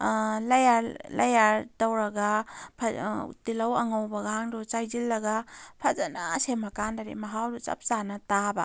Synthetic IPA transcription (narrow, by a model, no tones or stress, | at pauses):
lajaɾlɐjaɾtawɾɐɡapʰɐtilawɐŋawbɐɡaaŋdut͡ʃajzilːɐɡapʰɐzanasemɐkandaɾḭmɐɦawdut͡ʃɐ̰p̚t͡ʃanɐtabɐ̰